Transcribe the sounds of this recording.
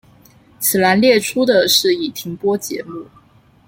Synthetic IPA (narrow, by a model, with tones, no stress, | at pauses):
t͡sʰɹ̩˨˩la˧˥nljɛ˥˩ʈ͡ʂʰu˥d̪ə˨ʂɻ̩˥˩i˨˩t̪ʰi˧˥ŋpwɔ˥t͡ɕjɛ̰˧˥mu˥˩